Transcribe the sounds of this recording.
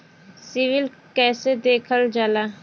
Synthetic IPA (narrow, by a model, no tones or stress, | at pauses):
siʋɪlkɛːsed̪eːkʰəld͡ʒalaː